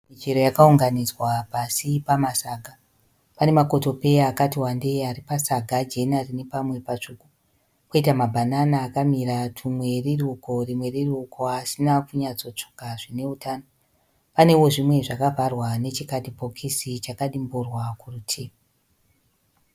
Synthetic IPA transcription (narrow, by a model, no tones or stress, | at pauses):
mit͡ʃeɾo̞jakauŋɡanid͡zwapasipamasaːɡʱa | pane̞mako̞to̞pe̞jaːkatiwande̞aɾipasaɡʱad͡ʒe̞narinepamwe̞pat͡ʂuku | koitamabʱananaːkamiɾatʰumwe̞riruko̞rimwe̞rirukʰo̞asinakuɲat͡so̞t͡ʂo̥kaʐine̞utʰaːno | pane̞wo̞ʐimwe̞ʐakavʱarwane̞t͡ʃikatipo̞kʰisit͡ʃakaɗimburwakurutʰeːma